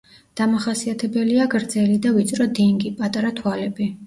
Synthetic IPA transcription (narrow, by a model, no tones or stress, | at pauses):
d̪̥amaχasiat̪ʰɛbɛliaɡɾd̪zɛlid̪avit̪sʼɾɔd̪iŋɡipʼat̪ʼaɾat̪ʰwalɛbi